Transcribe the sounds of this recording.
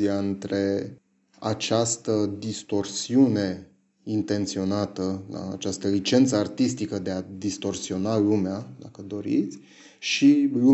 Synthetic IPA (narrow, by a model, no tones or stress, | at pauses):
iaɨnt̪ɾe̞ | a̰t͡ʃast̪əd̪ist̪o̞rsiune̞ | int̪e̞nt̪sio̞nat̪əla̰ːt͡ʃast̪əlit͡ʃe̞nt̪səart̪ist̪ikəd̪e̞ad̪ist̪o̞rsio̞nalumead̪akəd̪o̞ɾḭt̪sʲ | ʃilu